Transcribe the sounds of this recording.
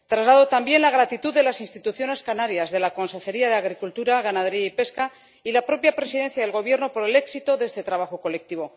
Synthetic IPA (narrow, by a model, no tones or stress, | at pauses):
t̪ɾazlaðo̞t̪ambje̞nlaɣ̞ɾat̪it̪uððe̞lasinst̪it̪uθjo̞ne̞skanaɾjazðe̞lako̞nse̞xe̞ɾiaðeaɣ̞ɾikult̪uɾaɣanað̞e̞ɾiaipe̞ska | ilapɾo̞pjapɾe̞siðe̞n̟θjað̞e̞lɣo̞β̞je̞ɾno̞po̞ɾe̞le̞ksit̪o̞ðe̞st̪e̞t̪ɾaβaxo̞ko̞le̞k̚t̪iβo̞